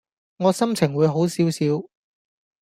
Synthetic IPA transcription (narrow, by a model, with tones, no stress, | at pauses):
ŋɔː˨˧sɐ˥mt͡sʰɪ˨˩ŋwuː˨˧jɦo˨˥wsiː˨˥wsiː˨˥w